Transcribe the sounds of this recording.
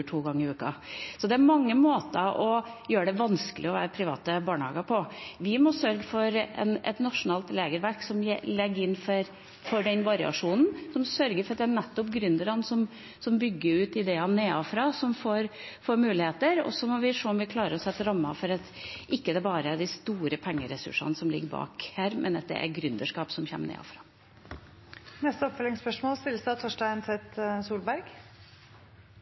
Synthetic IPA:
ʈʰuːɡɑŋːəɪʉːkɑ̰sɔd̪ɛæɾmɑŋːəmoːt̪əʔɔjøːɾəɖɛʋɑnskəlʔɪ̰ɔʋæ̰ːɾəpʰɾɪʋɑ̰ːt̪əbɑːɳhɑ̰ːɡɑpʰɔʋɪmɔsœɾɡəfɔɾɛ̰nɛ̰t̪nɑʂʊnɑːlt̪leːɡəɾʋæɾksɔmlɛɡːəɾɪnːfɔɾ | fɔɖɛnʋɑɾɪɑ̰ʂuːnn̩sɔmsœɾɡəɾfɔɾɑt̪ɛænɛt̪ːɔpɡɾʏnd̪əɾɑnsɔm | sɔmbʏɡːəɾʉːt̪ɪd̪eːɑnːeːɑfɾɑːsɔmfoːɾfoːɾmʉːlɪheːt̪əɾɔ̰sːɔmɔʋɪʂoːɔmʋɪkʰlɑːɾəɾɔsɛt̪ːəɾɑmːɑfɔɾɑt̪ʔɪkːəd̪ɛbɑːɾəæɖ̪ɪst̪uːɾəpʰɛŋːəɾɛsʉ̰ʂɑ̰nsɔmlɪ̰ɡːəɾbɑ̰ːkhæːɾmʔɛ̰nɑt̪̚d̪ɛ̰ʔæ̰ɡɾʉnd̪əʂkɑːpsɔmçɛ̰ːmənḛːɑ̰fɾɑː | nɛst̪əɔpfœlɪŋspœʂmoːlst̪ɪlːəsd̪ɑt̪ʰɔʂʈæɪnsɛt̪suːlbæɾɡ

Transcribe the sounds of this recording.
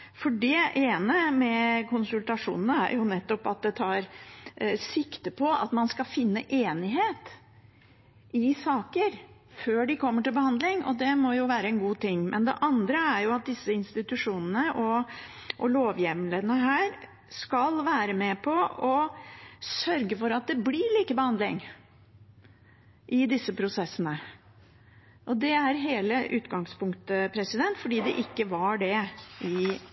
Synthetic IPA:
fɔɖɛeːnəmɛkʰʊnsʉlt̪ɑʂṵːnənəæ̰ɾjʊnɛt̪ːɔpɑt̪̚d̪ɛt̪ʰɑːɾ | sɪkt̪əpʰɔɑ̰t̪mɑnskɑfɪnːəʔeːnɪɦeːt̪ | ʔɪsɑːkəɾføːɖɪkʰɔmːəʈɪlbəhɑnd̪lɪŋɔ̰d̪ɛmɔjʊʋæːɾəɛnɡuːt̪ɪŋːmʔɛ̰nd̪ɛ̰ʔɑnd̪ɾəæɾjʊɑt̪̚d̪ɪsːəɪnst̪ɪt̪ʉʂuːnənəʔɔ | ʔɔloːʋjɛʋnled̪ənəɦæːɾ | skɑlʋæːɾəmɛpʰɔɔ | sœɾɡəfɔɾɑt̪̚d̪ɛblɪɭiːkəbəhɑnd̪lɪŋ | ʔɪd̪ɪsːəpʰɾʊsɛsːənə | ʔɔd̪ɛæɾɦeːləʔʉːt̪ɡɑŋspʊŋkt̪əpʰɾɛsɪd̪ɛnt̪fɔɖiːd̪ɛʔɪkːəʋɑɖɛʔɪ

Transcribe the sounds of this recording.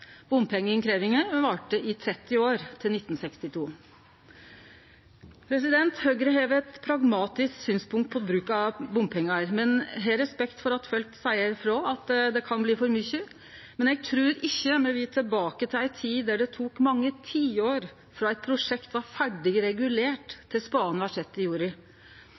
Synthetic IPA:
b̥ʊmpʰɛŋːənkʰɾeːʋɪŋəɾʋɑːʈəʔɪt̪ʰɾɛt̪ːɪoːɾt̪ʰɪlnɪt̪ːn̩sɛkst̪ɪt̪ʰuː | pʰɾɛs̬ɪd̪ɛnt̪høɡɾəɦeːʋəɛt̪pʰɾɑɡmɑːt̪ɪsksyːnspʰʊŋkt̪̚pʰɔbɾʉːkɑbʊmpʰɛŋːɑɾmɛnɦɛɾɛspɛkt̪fɔɾɑt̪fœlkt̪sæɪəɾfɾɔɑt̪d̪ɛkʰɑnbliːfɔɾmʏçːə | mɛnjɛɡ̚t̪ʰɾʉːɾɪçːəmɛʋɪːt̪ʰɪbɑːkət̪ʰɪæɪt̪ʰiːd̪æɖɛt̪ʰuːkmɑŋːət̪ʰiːoːɾ | fɾɑæɪt̪̚pʰɾʊʂɛkt̪ʋɑɾfæɖɪɡɾɛɡʉleːʈt̪ʰːɪlspɑːnhɑʂɛt̪ːɪjuːɾɪ

